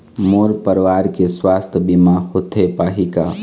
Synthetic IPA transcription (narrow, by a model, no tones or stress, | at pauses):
moːɾpəɾʋaːɾkeswaːst̪ʰəbimahot̪ʰepaːɦika̰